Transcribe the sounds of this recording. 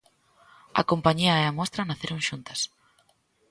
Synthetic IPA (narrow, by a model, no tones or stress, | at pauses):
ɐ̰kompaɲiɐeamɔst̪ɾɐnaθeɾoŋʃunt̪ɐs